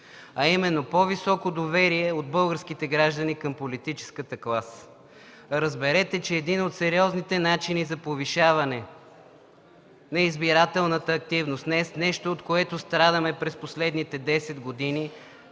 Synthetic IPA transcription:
ɐimɛnːopɔvisɔkod̪ovɛɾiɛod̪̚bɤlˠɡəɾskit̪ɛɡɾaʒd̪ənikɐmpolit̪it͡ʃɛ̥skət̪əklˠas | ɾəzbɛɾɛt̪ɛt͡ʃɛːd̪inot̪sɛɾiɔznit̪ɛnat͡ʃinizɐpoviʃavɐnɛ | nɐizbiɾat̪ɛlˠnət̪əːk̚t̪ivnost̪nɛsnɛʃt̪oːt̪koɛt̪ost̪ɾad̪əmɛpɾɛsposlɛd̪nit̪ɛd̪ɛsɛd̪ɡod̪ini

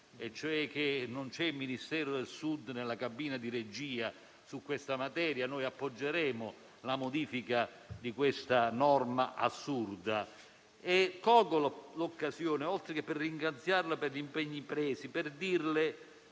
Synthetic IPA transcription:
ɛt͡ʃːoɛk̟ːenont͡ʃɛmːinist̪ɛːɾʊd̪elsud̪nelːakabiːnad̪iɾed͡ʒiːa | sukːwest̪amat̪ɛːɾjanoːjapːod͡ʒːeɾɛːmʊ | lamod̪iːfika | d̪ikwest̪anɔrmaʔa̰sːurd̪a | ekːɔːɡollokːasjoːnɪɔlt̪ɾekepːerːiŋɡɾat̪sjarlaperʎimpɛɲːipɾɛːsipɪrd̪irlɪ

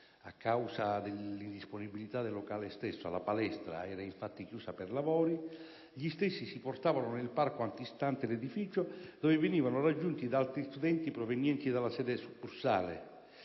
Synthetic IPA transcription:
a̰kːawsad̪elːind̪isponibilit̪ad̪elːokaːlest̪ɛsːoa̰lapalɛst̪ɾa̰ɛːɾaiɱfat̪ːikjuːsapɛrlavɔːɾi | ʎist̪ɛsːisiport̪aːvanonelparkoant̪ist̪ant̪eled̪ifiːt͡ʃod̪ɔvɪvɪniːvanʊrad͡ʒːunt̪id̪aalt̪ɾist̪ud̪ɛnt̪ipɾovenjɛnt̪id̪alːasɛːd̪ɛsukːursa̰ːlḛ

